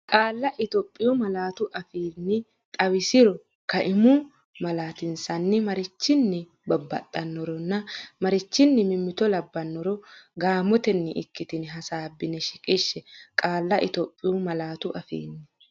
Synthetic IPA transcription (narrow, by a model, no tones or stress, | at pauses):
kʼaːlːɐʔɪt̪ɔːpʼːɪjumɐlaːt̪ʊʔɐfiːnːɪ | t̪ʼɐwɪsɪɾɔ | kɐʔɪmʊ | mɐlaːt̪ɪnsɐnːɪmɐɾɪt͡ʃːɪnːɪ | bɐbːɐt̪ʼːɐnːɔɾɔnːɐmɐɾɪt͡ʃːɪnːɪmɪmːɪt̪ɔlɐbːɐnːɔɾɔɡaːmɔt̪ɛnːɪʔɪkːɪt̪ɪnɦɐsaːbːɪnɛʃɪkʼɪʃːɛkʼaːlːɐʔɪt̪opʼːɪjʊmɐlaːt̪ʊʔɐfḭːnːɪ